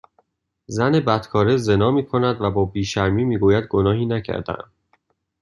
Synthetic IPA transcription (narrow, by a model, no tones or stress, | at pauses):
zæne̞bæt̪kʰɒːɾeze̞nɒːmiːkʰo̞næd̪væbɒːbiːʃæɾmiːmiːɡuːjæd̪̚ɡo̞nɒːɦiːnæcʰæ̰ɾd̪æ̰m